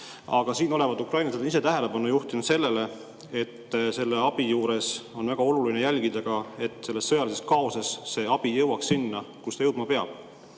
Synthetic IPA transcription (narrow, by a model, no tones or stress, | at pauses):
ɑɡ̥ɑsiːno̞le̞vɑd̪ukrɑjnɑselnise̞t̪æɦe̞le̞pɑnːujuht̪inud̪se̞lːe̞le̞ | e̞t̪ːse̞lːeɑb̥ijuːɾe̞so̞nvæɡ̥ɑo̞lulinejælɡ̥id̪̥ɑɡ̥ɑe̞t̪ˑːse̞lːe̞sːɤ̞jɑlise̞skɑo̞sɑsːe̞ːɑb̥ijɤwɑksinːɑkust̪ɑjɤwd̪̥mɑpe̞ɑ̰b̥